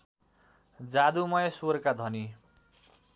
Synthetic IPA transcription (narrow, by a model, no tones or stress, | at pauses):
d͡zad̪umʌjesurkad̪ʱʌni